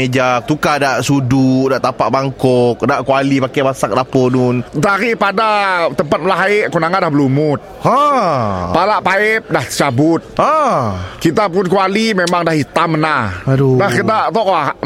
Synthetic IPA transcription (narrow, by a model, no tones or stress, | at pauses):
ed͡ʒak̚t̪ukadaʔsududaʔt̪apaʔbaŋkɔk̚daʔkualipakamasak̚lapɔnʊnt̪aɾipadat̪əmpat̪̚məlaɦaɪʔkunaŋandahbəlumʊt̪̚a | palaʔpaɪp̚daht͡ʃabʊt̪̚akit̪apʊnkualimemaŋdahit̪amnahdudahkit̪at̪ɔʔka